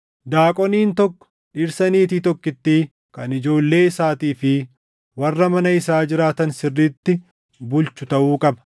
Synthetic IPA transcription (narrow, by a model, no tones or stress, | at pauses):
d̪aːkʼɔniːnt̪ɔkːɔ̥ | ᶑɪɾsɐniːt̪iːt̪ɔkːɪt̪ːiː | kɐnɪd͡ʒo̞ːlːe̞ːɪsaːt̪iːfɪ | wɐrːɐmɐnɐɪsaːd͡ʒɪɾaːt̪ɐnsɪrːiːt̪ːɪ | bʊlt͡ʃʊt̪ɐʔuːkʼɐbɐ̥